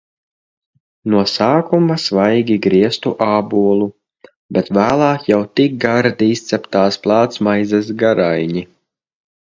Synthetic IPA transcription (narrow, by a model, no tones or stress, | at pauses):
nuɔsaːkumasvajɡʲiɡɾiɛst̪uʔaːbuɔlˠu | bʲɛt̪væːlˠɑːkjawt̪ik̚ɡaɾd̪ist̪sɛpt̪aːsplˠɑːt̪smajzasɡaɾajɲi